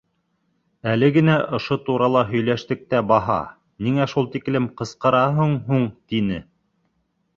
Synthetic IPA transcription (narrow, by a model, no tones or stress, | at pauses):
ælɘɡɘ̆næʔŏʃot̪uɾɑlˠɑɦɵ̆jlæʃt̪ɘ̆k̚t̪æbɑɦɑ̰ | niŋæʃulˠt̪iklɘmqɤ̆sqɤ̆ɾɑɦɤɴɦuɴt̪inɘ